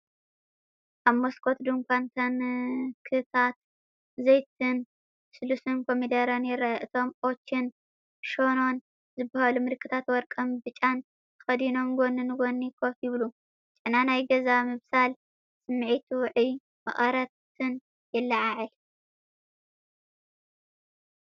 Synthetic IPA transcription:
ʔaβmoskʰo̞t̪d̪ɨŋkʰʷant̪ʰankʰɨt̪ʰat̪ | zejt̪ʰɨn | sɨlusɨnkʰomid̪ɐɾɐnjɪɾajaʔɨt̪ʰo̞mʔot͡ʃːin | ʃo̞no̞n | zɨbːɐhalumɨlkʰːɨt̪ʰat̪wɔɾkʼɐmbɨt͡ʃʼan | t̪ʰɨ̥xɐd̪ino̞mɡonɨnɡonːikʰojɪβlu | t͡ʃʼɨnanajɡɐzamɨβsal | sɨmːʕit̪ʰuwʕi | mɨ̰χʼɐɾɐt̪ | ɨn | jɪlːɐʕaʕɨl

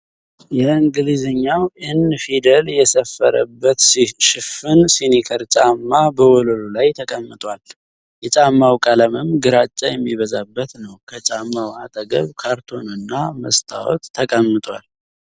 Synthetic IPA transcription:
jɛɨŋɡɨlizəɲːawʔɨnfid̪əljɛsəfːə̰ɾə̰bːət̪sʃɪfɨnsinikʰəɾt͡ʃʼamːabəwɔləlolajt̪ʰəkʼəmːɨt̪ʼwal | jɛt͡ʃʼamːawkʼaləmɨmɡɨɾat͡ʃʼːajɛmːiβəzabːət̪nəwkʰət͡ʃʼamːawat̪ʼəɡəβkʰaɾt̪ʰo̞nɨnːaməst̪ʰa̰wɔ̰t̪ʰːəkʼəmːɨt̪ʼwa̰l

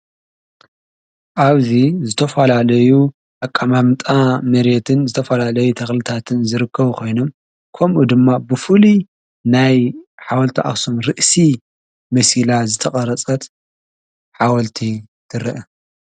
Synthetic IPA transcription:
ʔaβzizɨt̪ʰɐfɐlalɐju | ʔakʼːamamt̪ʼamɐɾet̪ʰɨnzɨt̪ʰɐfɐlalɐjut̪ʰɐxlɨt̪ʰat̪ʰɨnzɨɾɨkʰːɐβukʰo̞jno̞m | kʰɐmʔud̪ɨmːabɨfɨli | najħawɐlt̪ʰiʔa̰xsumɾɨʔsi | mɐsilazɨt̪ʰɐχʼɐɾɐt͡sʼɐt̪ | ħawɐlt̪ʰi | t̪ʰɨɾɨʔɐ

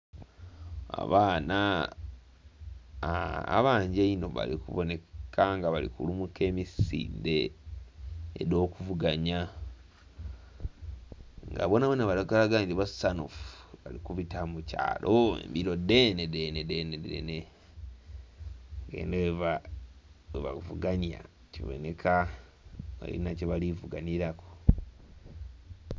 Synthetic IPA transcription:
a̰βaːna | a̰βaːɲɟeino̞βa̰likṵβone̞kʰaŋɡaβalḭkṵlumuke̞ːmisḭːnde̞ | ḛdo̞ːkuvuɡaɲa | ŋɡa̰βonaβwenaβalaɡalaɡandiβasano̰fu̥βalikuβitamuca̰ːlʔoḛmbiɾo̞denedenedenedḛne | ɡe̞̰ːndeweβa | weβa̰uvuɡanja̰ | civo̞̰nekʰa | βa̰lḭnaceβalivuɡaniɾako̥

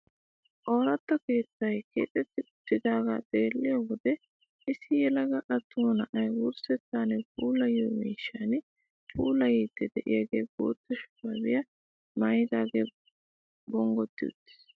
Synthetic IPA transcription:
ʔoːɾɐt̪ːɐke̞ːt͡sːɐjkeːt̪ʼɛt̪ːɪʊt̪ːɪd̪aːɡa̰ːt̪ʼeːlːɪjowɔd̪ɛ | ʔɪsɪjɛlɐɡɐʔɐt̪ʰːʊnɐʔɐjwʊɾsɛt͡sːaːnɛpʼuːlɐjoːmḭːʃːan | pʼʰuːlɐjiːt̪ːɛd̪ɛʔɪ̰jɐɡeːɡo̰ːt̪ːɛʃʊ̥pːɐbɪjɐ | mɐjɪd̪aːɡḛ | bɔŋɡɔt̪ːɪʊ̰t̪ːɪ̥s

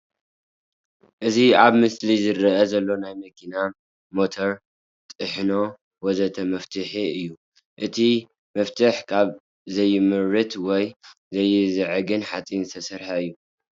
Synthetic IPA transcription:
ʔɨziaβmɨslizɨɾɨɐzɐlːo̞najmɐkʰina | mo̞t̪ʰoɾ | t̪ʼɨħno̞ | wɔzɐt̪ʰɐmɐft̪ʰɨħiɨjːu | ʔɨt̪ʰi | mɐft̪ʰɨħkʰaβ | zɐjːɪmɨɾːɨt̪ʰwɔj | zɐjːɪzɨʕɨɡɨnħat͡sʼint̪ʰɐsɐɾħaɨjːu

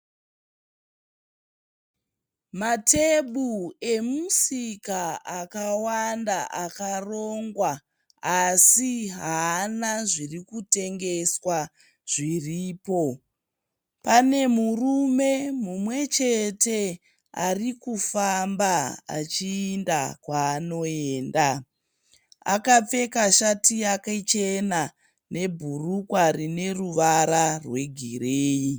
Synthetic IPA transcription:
mate̞ɓue̞musikaakawandaʔakaro̞ŋɡwa | asiɦanaʐirikute̞ŋɡe̞swa | ʐ̥iriːpo̞ | pane̞murume̞mumwe̞t͡ʃe̞te̞ | a̰rikufambaa̰t͡ʃiːndakwaːno̞eːnda | a̰kap͡fe̞kaʃatiakat͡ʃena | ne̞bʱurukwaɾine̞ruʋaɾarwe̞ɡʱireːi

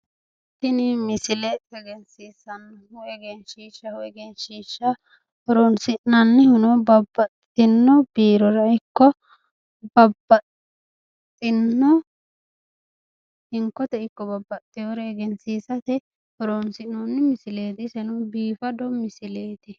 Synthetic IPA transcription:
t̪ɪnɪmɪsɪlɛɛɡɛnsiːsɐn | hʊɛɡenʃiːʃːɐhʊɛɡeːnʃiːʃːɐ | hɔɾonsɪʔnːɐnːɛhʊnɔbɐbːɐt̪ʼ | ɪnːɔb̥iːɾɔɾɐɪkːɔ | bɐbːɐt | t̪ʼːɪnːɔ | ɪŋkɔt̪ɛɪkːɔbɐbːɐt̪ʼːɪjoɾɛːɡɛnsiːsɐt̪ɛ | ɔɾonsɪnnɔnːɛmɪsɪleːd̪ɪsɛnʊbiːfɐd̪ɔmɪsɪleːt̪ɪ

